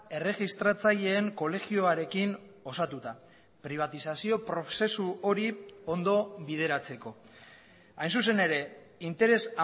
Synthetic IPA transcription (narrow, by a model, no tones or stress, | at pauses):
e̞re̞ɣist̪ɾat͡saʎe̞ːŋko̞le̞ɣio̞aɾe̞kin | o̞sat̪ut̪a | pɾiβ̞at̪isasio̞pɾo̞se̞suo̞ɾio̞nd̪o̞βið̞e̞ɾat͡se̞ko̞ | ajnsus̬e̞ne̞ɾe̞ | int̪e̞ɾe̞sa